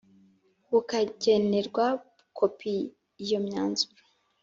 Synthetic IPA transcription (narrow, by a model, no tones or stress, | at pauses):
wukaɟe̞ne̞ɾɡwa | ukʰo̞pʰi | jo̞mɲaːnzu̥ɾe